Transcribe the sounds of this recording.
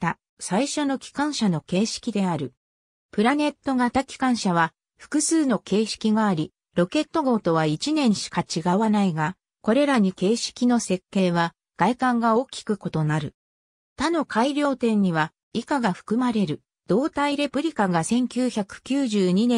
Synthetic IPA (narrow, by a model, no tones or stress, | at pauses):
t̪a | saiɕo̞no̞kʲi̥kãɰ̃ɕano̞ke̞ːɕi̥kʲid̪e̞aɾɯ̟ | pɯ̟ɾane̞t̪ːo̞ɡat̪akʲi̥kãɰ̃ɕaβ̞a | ɸɯ̥kɯ̟sɨːno̞ke̞ːɕi̥kʲiɡaːɾʲi | ɾo̞ke̞t̪ːo̞ɡo̞ːt̪o̞βait͡ɕinẽ̞ɰ̃ɕi̥kat͡ɕiɡaβanaiɡa | ko̞ɾe̞ɾaɲ̟ike̞ːɕi̥kʲino̞se̞kːe̞ːβa | ɡ̥aikãŋɡao̞ːkʲi̥kɯ̟ko̞t̪o̞naɾɯ̟ | t̪ano̞kʰaiɾʲo̞ːt̪ẽ̞ɲ̟ːiβa | ikaɡaɸɯ̟̥kɯ̟maɾe̞ɾɯ̟ | d̪̥o̞ːt̪aiɾe̞pɯ̟ɾʲikaɡasẽ̞ŋkʲɨːçakɯ̟̥kʲɨːʑɨːɲ̟inẽ